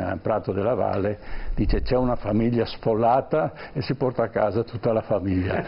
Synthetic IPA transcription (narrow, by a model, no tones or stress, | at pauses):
lpɾat̪ːod̪elːava̰lːed̪iːt͡ʃet͡ʃɛunafamiʎːasfolːaːt̪aesipɔrt̪aːkːaːzat̪ut̪ːalafamiʎːa̰